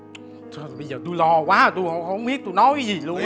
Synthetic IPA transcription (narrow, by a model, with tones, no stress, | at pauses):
sɓə˧jzəː˨˩t̪u˧jlɔ˧kwaː˨˦˨t̪u˧jho̰˧˨hə˧wŋ͡mɓi˦˥ət̚t̪u˧jnɔ˨˦jka˨˦jzi˨˩lu˧ən